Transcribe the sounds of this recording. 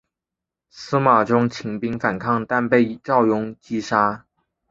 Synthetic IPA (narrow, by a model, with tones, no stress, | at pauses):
sɹ̩˥ma˨˩ʈ͡ʂʊ˥ŋt͡ɕʰi˧˥ŋpi˥ŋfa˨˩nkʰɑ˥˧ŋt̪a˥˧npe˥˩ɪʈ͡ʂɑ˥˩ʊjʊ˥ŋt͡ɕi˥ʂa˥